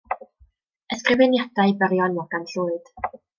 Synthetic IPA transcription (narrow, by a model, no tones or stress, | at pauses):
əskrɪvɛnjadaɨbəɾjɔnjaɡ̥anɬuːɨd̥